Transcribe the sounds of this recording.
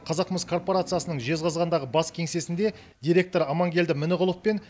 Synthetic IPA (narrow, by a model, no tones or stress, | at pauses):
qʰɑzɑqəməskʰo̞rpo̞ɾat̪sɨjasənəɴʒe̞zʁɑzʁɑnd̪ɑʁəbɑskʲʰe̞ŋse̞sɪnd̪e̞ | d̪ʲijɾʲe̞k̚t̪o̞ɾɑmɑŋɡʲe̞ld̪ɪmɪnɪʁʊlˠəppe̞n